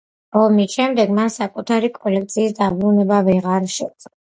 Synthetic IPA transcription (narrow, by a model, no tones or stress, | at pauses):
ɔmiʃɛmd̪ɛɡmansakʼut̪ʰaɾikʼɔlɛkʰt̪sʰiːsd̪abɾunɛbavɛʁaɾʃɛsʼ